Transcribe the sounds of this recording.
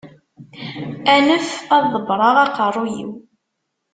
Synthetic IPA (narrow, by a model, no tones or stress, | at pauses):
ænəfɑðˤəbɾˤɑʁɑqərˤːujḭw